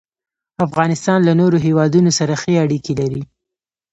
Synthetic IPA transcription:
afɣɑnɪst̪ɑnlanoɾoɦewɑd̪unosaɾaxeaɽikelaɾi

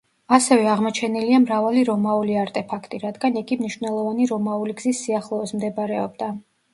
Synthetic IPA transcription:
asɛvɛaʁmɔt͡ʃʰɛniliamɾavaliɾɔmauliaɾt̪ʼɛpʰakʰt̪ʼiɾad̪ɡaniɡimniʃvnɛlˠɔvaniɾɔmauliɡzisːiaχlˠɔːsmd̪ɛbɾɛɔbd̪a

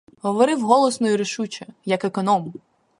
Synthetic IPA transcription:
ɦɔʋɔɾɪwɦɔlˠɔsnɔjiɾɪʃut͡ʃɐjɐkekɔnɔm

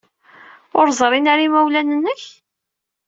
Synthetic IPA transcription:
ʊɾzˤɾˤinaɾimæwlænənːəç

